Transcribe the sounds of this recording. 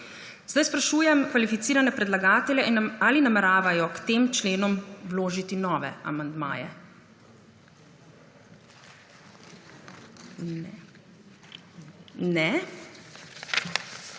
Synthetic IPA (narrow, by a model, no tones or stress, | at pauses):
zd̪ajspɾaʃuːjɛmkʋalifit̪siːɾanɛpɾɛd̪laɡaːt̪ɛljɛʔinaːlinamɛɾaːʋajɔkt̪eːmt͡ʃleːnɔmwloːʒit̪inɔːʋɛ̰a̰mand̪ma̰ːjɛ̰ | nɛ